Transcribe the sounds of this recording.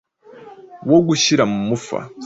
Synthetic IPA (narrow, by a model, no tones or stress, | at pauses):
woɡuɕiɾamumufa̰